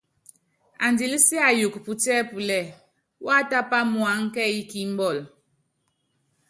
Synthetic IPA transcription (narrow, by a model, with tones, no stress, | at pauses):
a˨ndi˨li˦si˦a˨ju˨kpu˨tɛ˦pu˨lɛ˨ | wa˦ta˦pa˦mwa˨˦ŋ˦kɛ˦i˦ki˨˦m˦bɔ˦˨l